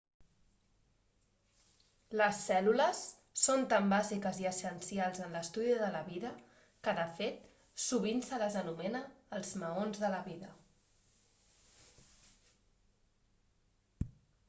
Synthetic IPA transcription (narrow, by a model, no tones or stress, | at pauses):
ləsːɛluləsː | ont̪ambazikəziəsənsialˠzənləst̪uðiðələβiðə | kəðəfet̪ | suβinsələzənumɛnəːlˠzməonzðələβiðə